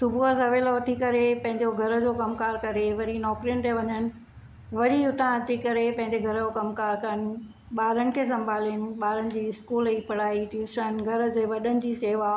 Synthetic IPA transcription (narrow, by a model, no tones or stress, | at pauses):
sʊbʱuasɐʋeːloɐt̪ʰikɐɾepɐ̃ɦɪ̃ɲd͡ʑoɡʱɐɾəd͡ʑokɐmkaːɾkɐɾeʋɐɾinɔːkɾijənɪ̆t̪eʋɐɲənɪ̆ | ʋɐɾiʊt̪ʰãɐt͡ɕikɐɾepɐ̃ɦɪ̃ɲd͡ʑeɡʱɐɾd͡ʑokɐmkaːɾkɐənɪ̆ | ɓaːɾəñɪ̆kʰes̬ɐ̃mbʱaːliənɪ̆ɓaːɾənɪ̆d͡ʑiːɪskuːliːpɐɽaːiʈuːʃənɡʱɐɾd͡ʑeːʋɐɗənɪ̆d͡ʑiːseːʋa